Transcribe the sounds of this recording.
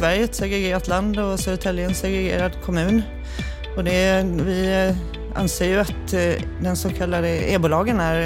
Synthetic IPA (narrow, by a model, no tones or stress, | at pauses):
ʋæɾjət̪sɔɛɡɾɛɡeːɾat̪land̪ɔsɔʉt̪ʰɛlːɪənsɛɡɾɛɡḛːɾad̪kʰɔmʉ̟ːn | ɔd̪ɛʋɪ | a̰nseːɾjʊat̪d̪ɛnsoːkʰɑlːad̪əeːbʊlɑːɡənæɾ